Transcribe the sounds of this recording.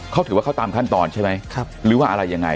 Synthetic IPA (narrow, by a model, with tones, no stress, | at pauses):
kʰa˦˥˩t̪ʰɯː˨˩˦waː˥˩a˥˩t̪aː˧mkʰa˥˩nt̪ɔː˧nt͡ɕʰa˥˩jma˦˥jkʰa˧˩ɾɯː˨˦waː˥˩ʔa˧ɾa˧jːa˧ŋːa̰˧j